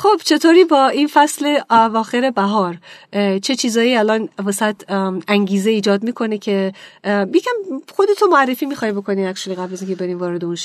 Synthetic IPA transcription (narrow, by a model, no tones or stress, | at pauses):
xo̞b̥t͡ʃʰe̞t̪ʰoːɾiːbɒːʔinfæsle̞ævɒːxeɾe̞bæɦɒːɾt͡ʃʰe̞t͡ʃʰiːzɒːjiːælɒːnvesæt̪ʰæŋɟiːzeiːd͡ʒɒːd̪miːkʰo̞necʰe̞ | jecʰæmxo̞d̪e̞t̪ʰomoærːe̞fiːmiːxɒːjbo̞kʰo̞niːækʃuliɣæblæziːŋcʲʰebe̞ɾiːnvɒːɾe̞d̪eunʃ